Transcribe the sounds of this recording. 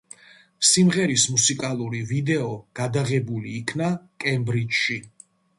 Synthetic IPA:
simʁɛɾismusikʼalˠuɾivid̪ɛɔɡ̥ad̪aʁɛbuliːkʰnakʼɛmbɾit͡ʃʃi

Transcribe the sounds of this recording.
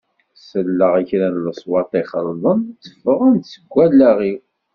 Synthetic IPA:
səlːəʁæçɾænləsˤwɑt̪ˤiχəɾˤðˤənt͡sːə̥fəʁænsəɡʷːælːæʁi

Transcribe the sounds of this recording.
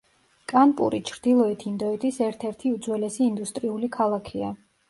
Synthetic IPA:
kʼanpʼṵɾit͡ʃʰɾd̪̥ilˠɔɛt̪ʰind̪ɔɛt̪ʼisɛɾt̪ʰɛɾt̪ʰiud̪zwɛlɛsiːnd̪ust̪ʼɾiulikʰalˠakʰia

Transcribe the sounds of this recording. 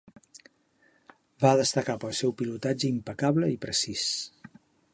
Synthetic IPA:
baðəst̪əkapəlˠsɛwpilut̪ad͡ʒəimpəkaβləipɾəsis

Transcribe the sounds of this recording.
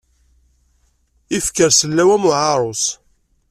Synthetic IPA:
ifkəɾsəlːæwæmʊʕɑɾˤos

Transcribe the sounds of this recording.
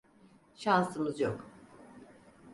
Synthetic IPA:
ʃansɯmɯzjok

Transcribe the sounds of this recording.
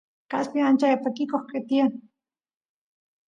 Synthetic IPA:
kaspiant͡ʃaapakikoχket̪ian

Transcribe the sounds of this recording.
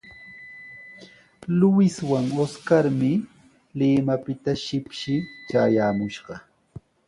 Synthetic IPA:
lʊwɪswaŋoskaɾmɪ | lɪmapɪt̪aʃɪpʃɪt͡ʃaːjaːmʊʃɢɑ

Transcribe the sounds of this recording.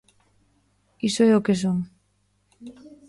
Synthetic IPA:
isoɛokes̬oŋ

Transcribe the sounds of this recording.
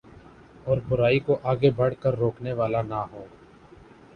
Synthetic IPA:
ɔːɾbʊɾaːikoʔaːɡebɐɽkəɾːoːkneʋaːlanaɦoː

